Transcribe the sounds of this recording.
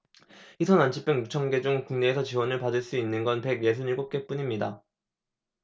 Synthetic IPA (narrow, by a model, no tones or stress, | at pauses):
isʰʌnant͡ɕʰip͈eŋjut͡ɕʰʌŋɡe̞d͡ʑuŋkuŋne̞ːsʰʌt͡ɕiwʌnɯɭpadɯɭs͈uinːɯnɡʌnpe̞ɡje̞s̬ʰuniɭɡop̚k͈e̞p͈uɲimɲida